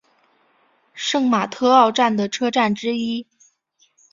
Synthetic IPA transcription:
ʂɤ˥˩ŋma˨˩t̪ʰɤ˥ɑ˥˧ʊʈ͡ʂa˥˩nd̪ə˩ʈ͡ʂʰɤ˥ʈ͡ʂa˥˩nʈ͡ʂɻ̩˥i˥

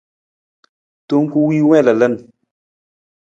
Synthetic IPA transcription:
to˦ŋ˦ku˦wi˦wɛ̃˦˨lə˨lə˦˨n

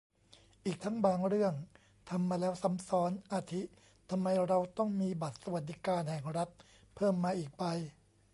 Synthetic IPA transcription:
ʔiː˨˩k̚t̪ʰa˦˥ŋbaː˧ŋɾɯ˥˩əŋ | t̪ʰa˧mːaː˧lɛː˦˥wsa˩˦msɔː˦˥nʔaː˧t̪ʰi˦˥ | t̪ʰa˧mːa˧jɾa˧wt̪ɔ˥˩ŋmiː˧ba˨˩t̪̚sa˧wa˨˩t̪̚d̪i˦kaː˧nhɛ˨˩ŋɾa˦˥t̪̚ | pʰɤː˥˩mːaː˧ʔiː˨˩k̚ba˧j

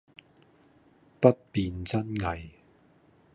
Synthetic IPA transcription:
pɐ˥t̚piː˨˧nt͡sɐ˥nŋɐ˨j

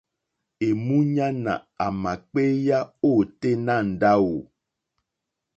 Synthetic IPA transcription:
e˨mũ˦ɲã˦nã̰˨a˨mã˨k͡pe˦ja˦o˦˨te˦nã˦˨n̩˨da˦wo˨

